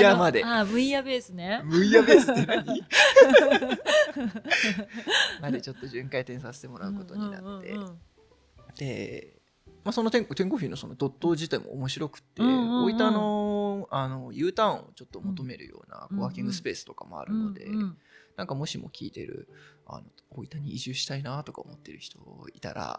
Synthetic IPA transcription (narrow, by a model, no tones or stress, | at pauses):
jamad̪e̞amɯ̟iabeːsɨnemɯ̟ijabe̞ːsɨ̥t̪ːenaɲi | mad̪e̞t͡ɕo̞t̪ːo̞ʑɨ̃ŋkait̪ẽ̞ɰ̃sase̥t̪e̞mo̞ɾaɯ̟ko̞t̪o̞̟na̰t̪ːe̞̰ | d̪̥e̞ | maso̞not̪ẽ̞ŋkt̪ẽ̞ŋko̞ɸʲiːno̞so̞no̞d̪ot̪ːo̞ːʑit̪aimo̞̰ːmo̞ɕiɾo̞kɯ̟̥t̪ːeoiano̞ano̞jɯ̟ːt̪ãɰ̃o̞̰t͡ɕo̞t̪ːo̞mo̞t̪o̞me̞ɾɯ̟jo̰ːna̰koβaːkʲĩŋɡɯ̟sɨ̥pe̞ːsɨ̥t̪o̞kamoa̰ɾɯ̟no̞d̪e̞̰nãŋkamo̞ɕimo̞̰kʲḭːt̪e̞̰ɾɯ̟̰a̰no̞oit̪aɲ̟iːʑɨːɕi̥t̪ainat̪o̞kao̰mo̞t̪ːe̞ɾɯ̟çi̥t̪o̞it̪a̰ɾa̰